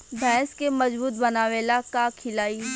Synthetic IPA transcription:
bʱɛ̃ːskemɐzbuːt̪̚bɐnaːʋeːlakakʰɪlaːiː

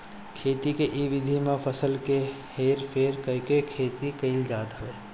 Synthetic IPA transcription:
kʰeːt̪ikeʔiʋɪd̪ʱimẽpʰəsəlke | heːɾpʰeːɾkəɦkekʰeːt̪ikəɪld͡ʒaːd̪ɦəʋeː

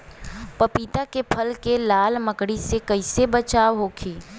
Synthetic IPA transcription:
pɐpiːt̪akepʰəlkelaːlməkɽisekɐɪsebɐt͡ʃaːʋɦoːkʰiː

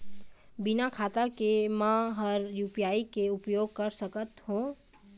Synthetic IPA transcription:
bɪnakʰaːt̪akemãːɦɐɾjuːpijaːikeʊpjoːɡ̚kɐɾsɐkət̪hũː

